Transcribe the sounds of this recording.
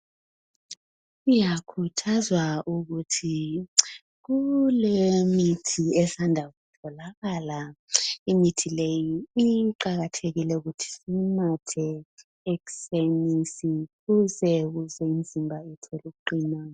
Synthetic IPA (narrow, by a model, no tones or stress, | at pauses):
ijakʰutʰazwaʔuɣutʰi | ɣulemitʰiɛsandʱaɣutʰɔlaɣalaimitʰilejiiǃaɣatʰeɣilɛuɣutʰi̥simatʰɛ | eku̥senisikuzɛɣuzɛim̩zʱimbʱaɛtʰɛluk̬uǃiːna